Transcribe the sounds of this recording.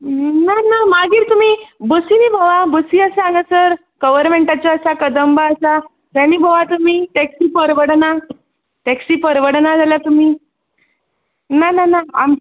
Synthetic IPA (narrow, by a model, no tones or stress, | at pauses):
nanamaɡiːɾt̪um̤iːbəsinibʱaʋabəsiəsaanəsəɾ | ɡ̥əʋəɾmeɳʈat͡ɕɔəsakəd̪əmbaəsa | t̪añiːbʱəʋat̪umiːʈɛksiːpəɾʋəɽna | ʈɛksiːpəɾʋəɽnad͡zʱaljat̪um̤iː | nananaa̰m